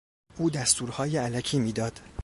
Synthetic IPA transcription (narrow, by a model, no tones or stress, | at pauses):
ʔuːd̪æst̪uːɾhɒːjeælæcʰiːmiːd̪ɒːd̪̥